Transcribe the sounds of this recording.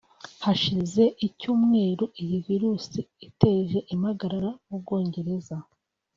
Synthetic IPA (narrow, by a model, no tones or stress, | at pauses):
haʃize̞ʔicuːmŋe̞ːɾuʔijiviɾuːsiite̞ʒe̞ʔimhaɡaɾaɾaub̚ɡo̞ːɲɟe̞ɾe̞za